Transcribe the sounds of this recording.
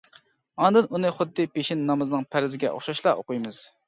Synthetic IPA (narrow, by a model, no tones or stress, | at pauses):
ɑnd̪ɨnunɨχʊd̪ːɨpeʃinːɑmɨzɨnɨŋpʰæɾɪzɪɡʲɛ̰ʔo̰χʃɑʃlˠɑo̰qʊjmɨz̥